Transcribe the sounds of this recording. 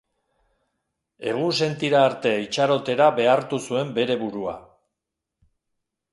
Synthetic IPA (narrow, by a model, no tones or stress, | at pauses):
e̞ɣ̞unse̞nt̪iɾaːɾt̪e̞it͡ʃaɾo̞t̪e̞ɾaβe̞aɾt̪usue̞mbe̞ɾe̞βuɾua̰